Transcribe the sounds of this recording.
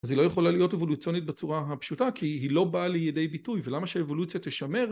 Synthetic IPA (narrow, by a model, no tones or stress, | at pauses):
azilo̞jeχo̞lalijo̞tevo̞lut͡sjo̞nit̚bet͡suʁaɦapʃutakʰiɦilo̞balijede̞jbitujvelamaʃeevo̞lut͡sjat̪eʃame̞ʁ